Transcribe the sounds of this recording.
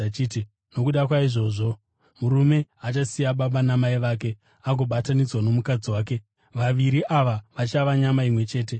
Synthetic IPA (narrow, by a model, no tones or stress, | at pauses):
t͡ʃiːti | no̞kuɗakwaiʐo̞ʐo̞ | muɾume̞at͡ʃasijaɓaɓanamaiʋaːk̬e̞ | aɡʱo̞ɓatanid͡zwano̞mukad͡ziwaːke̞ | ʋaʋiɾiʔaʋaʋat͡ʃaʋaɲamaimwe̞t͡ʃe̞ːt̬e̞